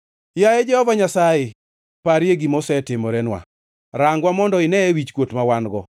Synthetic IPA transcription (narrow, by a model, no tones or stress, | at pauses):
jajɛd͡ʒɛhɔvaɲasajɪ | paɾjeɡimosɛtɪmɔɾɛnwa̰ | ɾaŋɡwamɔndɔɪnɛɛwit͡ʃkwotmawanɡɔ